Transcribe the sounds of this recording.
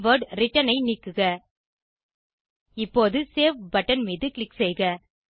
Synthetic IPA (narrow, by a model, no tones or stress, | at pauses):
ʋɐɾɖɾɪʈːɐnɐɪniːkːɯɣɐ | ɪpːoːðɯseːʋbɐʈːɐnmiːðɯkɭɪksɛjɣɐ